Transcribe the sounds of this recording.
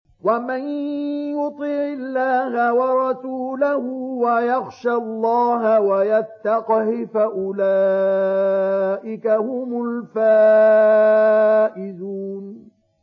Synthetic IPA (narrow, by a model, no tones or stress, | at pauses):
wamɪnjʊt̪ˤiʕɪlːaːhawɑɾˤɑsuːlahʊwajaɣʃalˤːɑːɦawajat̪ːɑqhɪfaʔʊlaː | ʔɪkahʊmʊlfaː | ʔɪd̪uːn